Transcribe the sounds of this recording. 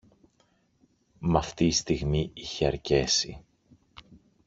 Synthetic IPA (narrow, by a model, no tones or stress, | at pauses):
mɐft̪iːst̪iɣmiiçeɐɾce̞sḭ